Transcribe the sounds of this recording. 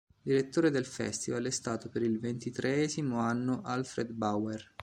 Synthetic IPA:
d̪iɾet̪ːoːɾed̪elfɛ̰st̪ivalɛst̪aːt̪opeɾilvent̪it̪ɾʔeɛːzimoanːoʔalfɾed̪bawer

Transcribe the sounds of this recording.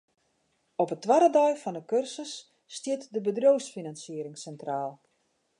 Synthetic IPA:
ɔpətːʋaɾədɔjfɔnəkørsəsː | tjɪtdəbədroːsfinansɪəɾɪŋsɛntraːlˠ

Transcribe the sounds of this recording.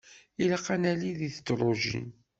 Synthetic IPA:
ilaqːanæliðiθə̥t͡sːɾˤoʒḭn

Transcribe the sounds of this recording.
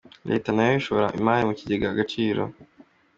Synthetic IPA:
ɾʔe̞̰ːtanajoiʃo̞βoɾaʔḭmaːɾimuciɟeɡaaɡat͡ʃiːɾo̰

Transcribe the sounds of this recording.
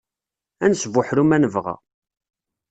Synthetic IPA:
ænsvʊħɾumænəvʁæ̰

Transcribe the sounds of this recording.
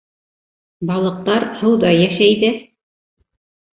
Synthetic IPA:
bɑlˠɤ̆q̚t̪ɑɾhɤwðɑjæʃæjd̪ɘ

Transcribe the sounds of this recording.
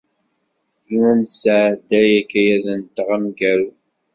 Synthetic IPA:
juwænsəʕd̪æjækːæjæðənt̪ːəʁəmɡæl

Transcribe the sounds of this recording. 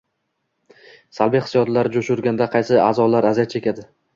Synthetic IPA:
salˠbijχɪsjɒd̪laɾɪd͡ʒʊʃʊɾɡʲand̪aqʰɑjsɪaːzɒlaɾazijat̪̚t͡ʃʰe̞kʲad̪ɪ

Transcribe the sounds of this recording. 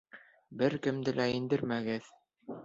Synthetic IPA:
bɘɾkɘ̆md̪ɘlʔæind̪ɘɾmæɡɘð

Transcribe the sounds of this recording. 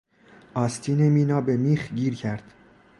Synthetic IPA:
ʔɒːst̪ʰiːnemiːnɒːbemiːxɟiːɾcʰæɾd̪̥

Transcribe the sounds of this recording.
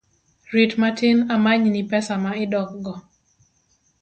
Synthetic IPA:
ɾitmatɪnamaɲnipɛsamaɪdɔk̚ɡɔ

